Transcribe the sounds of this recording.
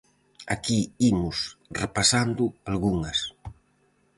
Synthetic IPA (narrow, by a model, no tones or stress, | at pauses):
a̰kiimʊsrepasand̪ʊalɣuŋɐs